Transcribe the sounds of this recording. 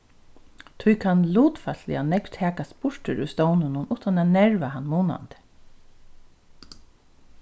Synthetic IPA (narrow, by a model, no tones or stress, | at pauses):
t̪ʰʊjkʰanluːt̪falɪ̰anɛkt̪ʰæːkaspʊʂtʏɾṵjst̪ɔwnɪnʊnuːt̪anaːnɛɹʋaɦanːmuːna̰nt̪ɪ̥